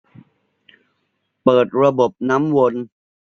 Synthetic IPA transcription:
pɤː˨˩t̪̚ɾa˧bo˨˩p̚na˦˥mwo˧n

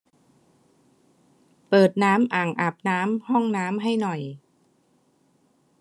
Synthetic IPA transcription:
pɤː˨˩t̪̚naː˦˥mʔaː˨˩ŋʔa˨˩p̚naː˦˥mhɔ˥˩ŋnaː˦˥mɦa˥˩jnɔ˨˩j

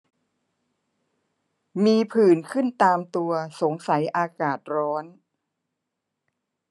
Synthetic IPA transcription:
miː˧pʰɯː˨˩nkʰɯ˥˩nt̪aː˧mt̪u˧ɐso˩˦ŋsa˩˦jʔaː˧kaː˨˩t̪̚ɾɔː˦˥n

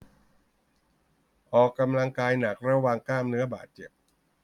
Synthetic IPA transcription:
ʔɔː˨˩kːa˧mla˧ŋkaː˧jna˨˩k̚ɾa˧waː˨˧ŋklaː˥˩mnɯ˦˥ɐba̰ː˨˩t̪̚t͡ɕe˨˩p̚

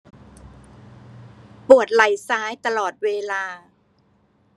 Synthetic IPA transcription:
pu˨˩ət̪̚la˨˩jsaː˦˥jt̪a˧lɔː˨˩t̪̚weː˧laː˧

